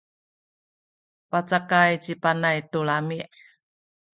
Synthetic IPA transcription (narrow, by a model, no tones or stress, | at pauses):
pat͡sakajt͡ɕipanajtolamiʔ